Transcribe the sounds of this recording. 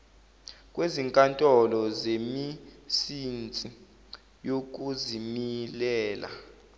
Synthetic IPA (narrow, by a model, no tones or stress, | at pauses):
k̬ʼweziŋkʼantʼɔlɔzemisint͡sʼi | jok̬uzimilɛːla̰